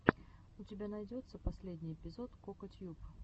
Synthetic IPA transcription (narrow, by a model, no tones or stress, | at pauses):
utʲɪbʲanajd͡zʲɔt̪sːəpasʲlʲedʲnʲijɛpʲɪzɔt̪kɔkɐt̪ʲjup